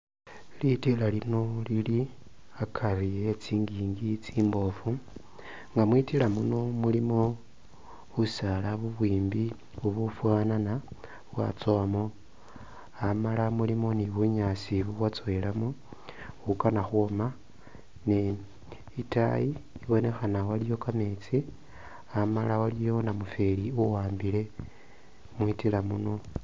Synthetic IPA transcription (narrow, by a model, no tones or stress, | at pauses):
litilalino̞lili | akʰarijet͡siːŋɡiːŋɡit͡siːmbo̞fu | ŋɡamwitilamuno̞mulimo̞ | βusalaβuβwiːmbi | βuβufwaːnana | βwa̰t͡soamo | amalamulimo̞niβuɲasiβuβwat͡soelamu | ukanaxuoma | ne | ita̰jiːβo̞ne̞xanawalijo̞kame̞t͡si | amalawalijo̞namufeliuwaːmbile̞ | mwitilamuno̞